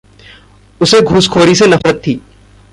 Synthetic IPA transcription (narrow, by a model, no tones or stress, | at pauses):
ʊseɡʱuːskʰoːɾisenɐfɾət̪ʰːiː